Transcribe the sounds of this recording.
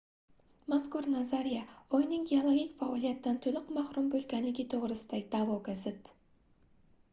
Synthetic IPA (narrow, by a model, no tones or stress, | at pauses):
maskuɾnazaɾijaojnɪŋɡʲeolˠoɡʲikʲfaolʲˠijat̪ːant̪ʰɵlɪqmɑχɾumbɵlkʲænɪɡʲet̪ʰoʁɾɨst̪ɑjd̪ɑboɡazɪt̪